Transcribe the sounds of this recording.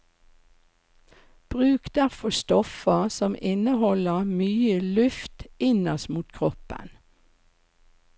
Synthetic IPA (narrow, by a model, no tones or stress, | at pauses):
b̥ʁʉːkd̪̥æʁfɔst̪ɔfəsɔmʔɪnəhɔləmyːəlʉft̪ɪnɔsmuːt̪kʰʁɔpə̰n